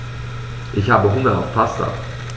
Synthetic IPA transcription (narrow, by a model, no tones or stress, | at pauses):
ʔɪçhaːbəɦʊŋɐa̰fpʰastɐ̰